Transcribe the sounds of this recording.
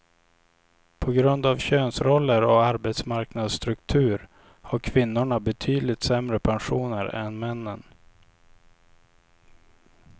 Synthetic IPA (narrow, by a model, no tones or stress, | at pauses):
pʰɔɡɾɵnd̪avɕøːnsɾɔlːəɾɔaɾbɛt̪smaɾknad̪st̪ɾɵkt̪ʰʉ̟ːɾ | haɾkʰvɪnːʊɳabɛt̪ʰyːd̪lɪt̪sɛmɾəpʰanɧuːnəɾɛ̰nmɛnːən